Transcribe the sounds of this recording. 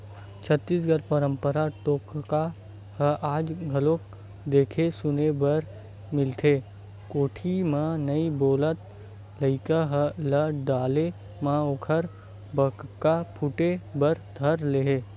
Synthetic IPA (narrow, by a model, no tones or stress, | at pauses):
t͡ʃʰət̪ːiːs̬ɡəɾpəɾə̃mpəɾaʈoːkka | həʔaːd͡ʒɡʱɐlõk̚ | d̪eːkʰesʊnebəɾ | mɪlt̪ʰe | koːʈʰimãnəiboːlət̪̚ | ləɪkaɦələɖaːle | mãoːkʰəɾ | bəkkapʰʊʈebəɾd̪ʱəɾleɦeː